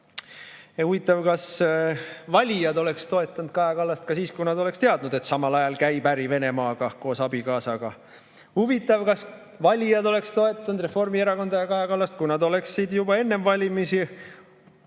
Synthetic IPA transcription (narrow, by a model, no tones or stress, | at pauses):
ehuvit̪ːˑɑvkɑs | vɑlʲijɑd̪o̞le̞kst̪o̞e̞t̪ːˑɑnud̪̥̚kɑjɑkɑlːɑst̪̚kɑsiːskujnɑd̪o̞le̞kst̪e̞ɑd̪nud̪e̞t̪sɑmɑlɑjɑlkæjbæɾive̞ne̞mɑːɡ̥ɑko̞ːsɑb̥ikɑːsɑɡ̥ɑ | huvit̪ːˑɑvkɑs | vɑlʲijɑd̪o̞le̞kst̪o̞e̞t̪ːˑɑnud̪̥re̞fo̞rmieɾɑko̞nd̪̥ɑjɑkɑjɑkɑlːɑst̪̚kujnɑd̪o̞le̞ksːid̪jubɑe̞nːe̞mvɑlʲimisi